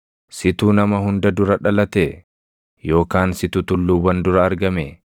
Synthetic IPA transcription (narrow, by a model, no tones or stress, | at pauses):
sɪt̪uːnɐmɐɦʊnd̪ɐd̪ʊɾɐᶑɐlɐt̪eː | jo̞ːkaːnsɪt̪ʊt̪ʊlːuːwɐnd̪ʊɾɐːɾɡɐme